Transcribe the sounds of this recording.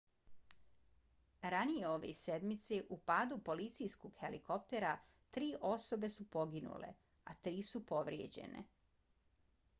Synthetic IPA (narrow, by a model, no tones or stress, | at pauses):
ɾanije̞o̞ʋḛse̞d̪mit̪seʔupaːd̪upo̞lit̪sijsko̞ɡ̥xe̞liko̞p̚t̪e̞ɾa | t̪ɾiːʔo̞so̞be̞supo̞ɡinṵlḛ | at̪ɾiːsupo̞ʋɾjḛd͡ʑe̞̰ne̞̰